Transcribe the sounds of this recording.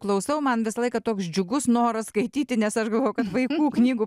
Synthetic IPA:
klˠɐʊsɐʊmɐnʋʲɪsɐlˠɐɪkɐt̪oːksd͡ʒʲʊɡʊsnoːɾɐskɐɪt̪ʲiːt̪ʲɪnʲɛsɐʃɡɐlˠʋoːjʊkɐt̪ʋɐɪkuːknʲiːɡʊ

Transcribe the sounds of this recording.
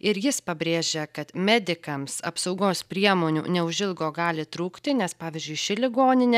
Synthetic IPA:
ɪɾjɪspɐbʲɾʲeːʒʲɛkɐt̪mʲɛːd̪ʲɪkɐmsɐ̰psɒʊɡoːspʲɾʲiɛmoːnʲṵːnʲɛʊʒʲɪlˠɡoːɡɑːlʲɪt̪ɾuːkt̪ʲɪnʲɛspɑːʋʲiːzʲd͡ʒʲʊɪʃʲɪlʲɪɡoːnʲɪnʲɛ

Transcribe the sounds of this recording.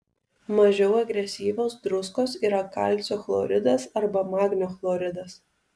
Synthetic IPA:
mɐʒʲɛʊɐɡɾʲɛsʲiːʋʲoːsd̪ɾʊskoːsiːɾɐkɐ̰ˑlʲt̪sʲoːflˠo̰ːɾʲɪd̪ɐsɐɾbɐmɑːɡnʲoːflˠoːɾʲɪd̪ɐs

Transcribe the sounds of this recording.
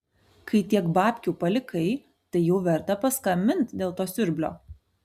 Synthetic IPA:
kʰɐɪt̪ʲiɛkbɑːpʲkʲuːpɐlʲɪkʰɐɪ | t̪ɐɪjuːʋʲɛɾt̪ɐpɐskɐmʲɪnt̪d̪ʲeːlˠt̪oːsʲʊɾʲbʲlʲo̰ː

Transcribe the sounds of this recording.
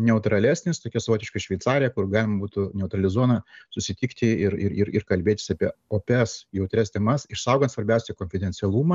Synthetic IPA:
nʲɛʊt̪ɾɐlʲæːsʲnʲɪst̪oːkʲɛsɐʋoːt̪ʲɪʃkɐʃʲʋʲɛɪt̪sɑːɾʲɪjɛkʊrɡɑːlʲɪmɐbuːt̪ʊnʲɛʊt̪ɾɐlʲɪzuɔnɐsʊsʲɪt̪ʲiːkt̪ʲɪɪɾɪ̰ɾɪɾɪrkɐlʲbʲeːt̪ʲɪ̥sɑːpʲiɛoːpʲɛsjɛʊt̪ʲɾʲɛst̪ʲɛmɐsɪʃsɐˑʊɡɐnt̪sʋɐɾʲbʲæˑʊsʲɛkoːnʲfʲɪd̪ʲɛnʲtsʲɛlˠuːmɐ

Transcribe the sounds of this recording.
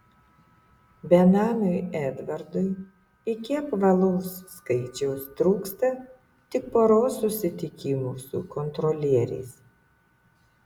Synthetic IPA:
bʲɛnɑːnʲʊjɛːd̪ʋɐɾd̪ʊɪ | ɪkʲɪɐpʋɐlˠoʊsːkɐɪt͡ʃʲɛʊst̪ɾuːkst̪ɐ | t̪ʲɪk̚poɾoːsʊsʲɪt̪ʲɪkʲɪmuːsʊkɔnt̪ɾɔlʲiɛɾʲɛ̰ɪs

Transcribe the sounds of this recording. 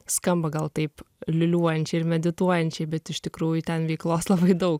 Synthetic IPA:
skɐmbɐɡɐlˠt̪ɐɪp | lʲɪlʲuɔjɛnʲt͡ʃʲɛɪɪɾmʲɛd̪ʲɪt̪uɔjɛnʲt͡ʃʲɛɪbʲɛt̪ɪʃt̪ʲɪkɾuːjʊt̪ʲɛnʋʲɛɪklˠoːslˠɐbɐɪd̪ɐʊk

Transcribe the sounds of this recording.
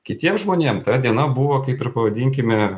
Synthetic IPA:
kʲɪt̪ʲiɛmʒmoːnʲeɛmt̪ɐd̪ʲiɛnɐbuʋoːkɐɪpɪɾpɐʋɐd̪ʲiŋʲkʲɪmʲɪ

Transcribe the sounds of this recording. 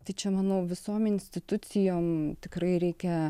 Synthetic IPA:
t̪ɐɪt͡ʃʲɛmɑnoʊʋʲɪsoːmɪnʲsʲt̪ʲɪt̪ʊt͡s̪ʲɪjoːmt̪ʲɪkrɐɪɾʲɛɪkʲɛ

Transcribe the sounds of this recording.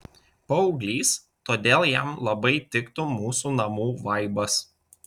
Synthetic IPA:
pɐʊɡlʲiːs | t̪oːd̪ʲeːlˠjæˑmlˠɐbɐɪt̪ʲɪkt̪ʊmuːsuːnɐmuːʋɐɪbɐs

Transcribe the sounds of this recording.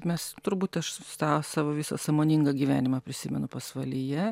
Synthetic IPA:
mʲɛst̪ʊɾbuːt̪ʲɐʃstɑːsɑːʋoːʋʲɪːsɐ̰sɑːmoːnʲɪŋɡɐɡʲiːʋʲæːnʲɪmɐpʲɾʲɪsʲɪmʲɛnʊpɐsʋɐlʲijɛ

